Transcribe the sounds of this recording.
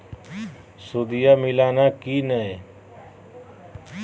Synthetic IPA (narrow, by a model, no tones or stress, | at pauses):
sod̪ijaːmɪlaːnaːkiːnəe